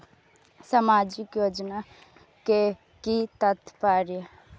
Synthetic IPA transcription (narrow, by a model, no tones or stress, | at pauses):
samaːd͡ʒɪkjoːd͡ʒna | ke | kit̪ət̪paːɾjə